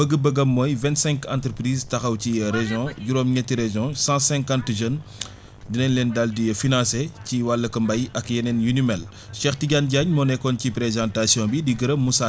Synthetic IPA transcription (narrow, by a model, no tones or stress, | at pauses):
bəɡəbəɡɐmːɔːjvɛ̃ntsɛ̃ŋkã̰ntɾəpɾiːztɐxɐwcijɐɾeʒjɔ̃ɟuɾɔːmɲɐtːiɾeʒjɔ̃sãsɛ̃ŋkãntʒən | dinɛnlɛːndɐldijɐfinãːseciwalːəkɐmbɐjɐkjɐnɛnjunymɛl | ʃɛxtiɟanɟaɲmɔnɛkːɔncipɾezãːntasijɔ̃bidiɡəɾɐmusa